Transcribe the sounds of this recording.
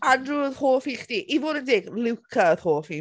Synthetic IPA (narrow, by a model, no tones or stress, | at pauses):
anruːð̥hoːfiːχd̥iːʔivoːdəndeːɡlɪwkʰaəð̥hoːfiː